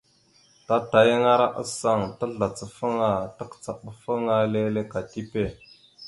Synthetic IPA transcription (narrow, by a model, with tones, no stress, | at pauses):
ta˦ta˨jə˦ŋa˦ɾa˦ʔa̰˦sa˦˨ŋta˦ɮa˨t͡sə˨fə˦ŋa˨tə˦kt͡sa˨ɓə˨fə˦ŋa˦le˦le˦ka˨ti˦pe˦˨